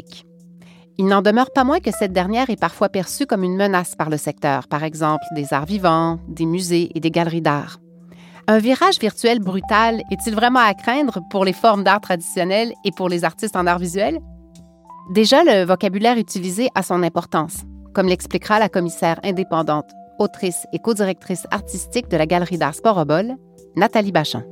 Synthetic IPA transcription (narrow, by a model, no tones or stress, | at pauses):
k | ilnɑ̃d̪əmœʁpamwɛ̃kəsɛt̪̚d̪ɛʁnjɛːʁɛpaʁfwapɛʁsykɔmynmənaspaʁləsɛk̚t̪œ̰ːʁpaʁɛɡzɑ̃pld̪eza̰ːʁvivɑ̃d̪emyzeʔed̪eɡalʁid̪aːʁ | œ̃viʁaʒviʁt̪yɥɛlbʁyt̪alɛt̪ilvʁɛmɑ̃akχɛ̃d̪ʁəpuʁlefɔʁmd̪aːʁt̪χad̪isjɔnɛlepuʁlezaʁt̪ist̪ɑ̃naʁvizɥɛl | d̪eʒaləvɔkʲabylɛːʁyt̪ilizeʔasɔ̃nɛ̃pɔʁt̪ɑ̃ːskɔmlɛksplikʁalakɔmisɛːʁɛ̃d̪epɑ̃d̪ɑ̃t̪ot̪χisekod̪iʁɛk̚t̪χisa̰ʁt̪ist̪ik̚d̪əlaɡʲalʁid̪aːʁspɔʁɔbɔl | nat̪alibaʃɑ̰̃